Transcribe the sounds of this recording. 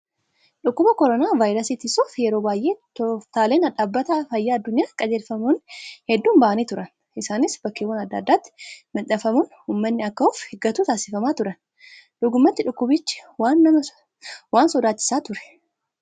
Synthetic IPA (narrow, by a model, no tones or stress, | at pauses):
ᶑʊkːʊbɐkɔɾɔnaːvaːjɾɐsiːt̪ɪsuːfjɛɾo̞ːbaːjʔe̞ːt̪ɔt̪aːle̞ːnɐᶑaːbːɐt̪afɐjːaːd̪ːʊɲːaːkʼɐd͡ʒeːlfɐmunhɛd̪ːuːnbaʔɐnit̪ʊɾɐn | ʔɪsaːnɪsbɐkːeːwɐnɐd̪ːɐ̰d̪ːaːt̪ːɪ̥mɪᶑɐfɐmʊnhumːɐnːɪɐkːɐʊfhɛɡɐt̪uːt̪aːsɪfɐmaːt̪ʊɾɐn | ᶑ̪ʊɡʊmːɐt̪ːɪᶑʊkːʊbɪt͡ʃːɪ̥waːnːɐmɐ | waːnsɔd̪aːt͡ʃːɪ̥saːt̪ʊɾɛ̥